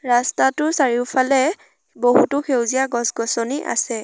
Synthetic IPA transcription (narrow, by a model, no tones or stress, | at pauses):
ɹastatʊsaɹiʊpʰalɛ | boɦutʊxʰewzijaɡɔsɡɔsɔniʔa̰sɛ